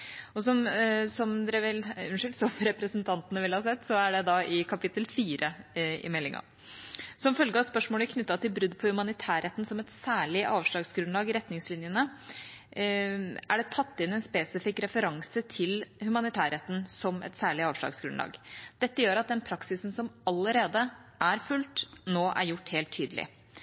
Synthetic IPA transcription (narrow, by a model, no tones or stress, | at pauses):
ɔsɔmsɔmd̪ɛʋɪlʉnʂɪlt̪sɔmɾɛpɾəsənt̪ʰɑnt̪ənəʋɪlhɑsɛt̪ːsɔæɖɛd̪ɑʔɪkʰɑpɪt̪ːəlfiːɾəɪ̰mɛlːɪŋɑ̰ | sɔmfœlɡəɑspœʂmoːləkʰnʏt̪ːɑt̪ɪlbɾʉd̪ːpʰɔhʉmɑnɪt̪ʰæːɾɛt̪n̩sɔmɛt̪sæːɭɪʔɑːʋʂɭɑːɡsɡɾʉnlɑːɡɪɾɛt̪ːnɪŋslɪnjənə | æɖɛt̪ʰɑt̪ːɪnɛnspeːsɪfɪkːɾɛfəɾɑŋsət̪ʰɪlhʉmɑnɪt̪ʰæːɾɛt̪ːn̩sɔmɛ̰t̪sæːɭɪɑːʋʂɭɑ̰ːɡsɡɾʉnlɑ̰ːɡd̪̥ɛt̪ːəjøːɾɑt̪̚d̪ɛnpʰɾɑksɪsn̩sɔmɑlːəɾeːd̪əʔæɾfʉlt̪noːʔæ̰ɾjʊʈːheːlt̪ʰːyːd̪əlɪ̰